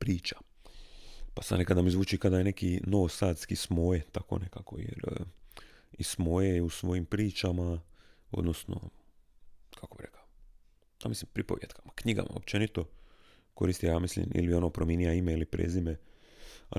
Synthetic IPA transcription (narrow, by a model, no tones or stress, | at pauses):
pɾiːt͡ʃḁ | pasannekad̪namizʋuːt͡ʃikad̪ajene̞kinoʋosaːt̪skismo̞jet̪ako̞̰ne̞kako̞̰jḛɾ | ismo̞jeusʋo̞jimpɾiːt͡ʃamao̞̰d̪nosno̰ | kʰakobiɾḛka | j̪a̰mislimpɾipo̞ʋjet̪kʰḁmakɲiɡa̰mʔa̰op̚t͡ʃenit̪o̞ | ko̞ɾiːst̪ijaːmislḭmḭlibionopɾomjenijaimeilipɾḛzime | a